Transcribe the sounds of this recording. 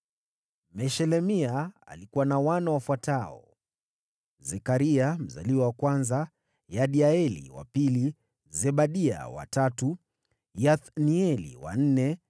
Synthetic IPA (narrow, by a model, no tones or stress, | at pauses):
mɛʃɛlɛmia̰ːlikuwanawanawafwataɔ | zɛkaɾiam̩za̰liwawakwanza | jaɗiaɛlḭwa̰pili | zɛɓaɗia̰wa̰tatu | jaθniɛlḭwa̰n̩nɛ